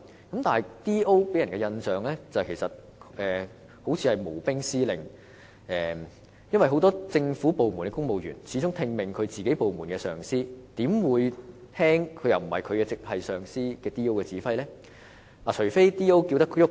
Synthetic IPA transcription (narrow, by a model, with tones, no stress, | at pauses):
kɐ˨˥mt̪aː˨nɦɐ˨˩jt̪iː˥ʔo˥wpe˨˥jɐ˨˩nkɛ˧jɐ˧nsœː˨ŋlɛː˥t͡sɐ˨kʰe˨˩sɐ˨t̚ | ɛː˨ | ho˨˥wt͡sʰiː˧hɐ˨jmo˨˩wpɪ˥ŋsiː˥lɪ˨ŋ | ʔɛː˨ | jɐ˥nwɐ˨jɦo˨˥wt̪ɔː˥t͡sɪ˧ŋfu˨˥po˨wmu˨˩nkɛː˧kʊ˥ŋmo˨wjyː˨˩nt͡sʰiː˨˥t͡sʊ˥ŋt̪ʰɪ˧ŋmɪ˨ŋkʰɵ˨˧ɥt͡siː˨ke˨˥jpo˨wmuː˨˩nkɛː˧sœː˨ŋsiː˥t̪iː˨˥mwuː˨˧jt̪ʰɛː˥ŋkʰɵ˨˧ɥjɐ˨wm̩˨˩hɐ̰˨jkʰɵ˨˧ɥkɛː˧t͡sɪ˨k̚hɐ˨jsœː˨ŋsiː˥kɛː˧t̪iː˥o˥wkɛː˧t͡siː˨˥fɐ˥jlɛː˥ | aː˨˩t͡ʃʰɵ˨˩ɥfe˥jt̪iː˥o˥wki˧wt̪̬ɐ˥kjʊ˥k